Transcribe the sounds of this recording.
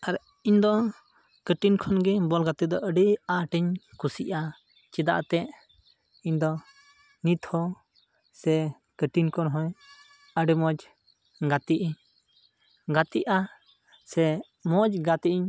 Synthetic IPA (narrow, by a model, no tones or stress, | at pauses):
aɾ | iɲd̪ɔ | kəʈinkʰɔnɡɛbɔlɡat̪id̪ɔʔəɖiaʈiɲkusiʔa | t͡ʃid̪a̰ʔt̪ɛʔ | iɲd̪ɔ | nit̪hɔ | sɛ | kəʈinkʰɔnɦɔ̃j | əɖimɔd͡ʒ | ɡat̪iʔiɲ | ɡat̪iʔa | sɛ | mɔd͡ʒɡat̪iʔiɲ